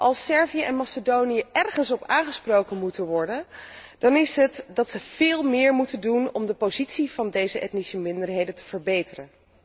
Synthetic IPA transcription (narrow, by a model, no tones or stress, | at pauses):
ʔɑlˠsɛɹvijəʔɛnmɑsədownijəʔɛrχənsɔpaːχəsprowkənmutənʋɔɹdənd̥ɑnɪsɦətdɑtsəv̥ɪːlˠmɪːɹmutəndunɔmdəpozitsiv̥ɑndejzəʔɛ̰tnisəmɪndəɹɦejdəntə̥v̥əɹbejtərən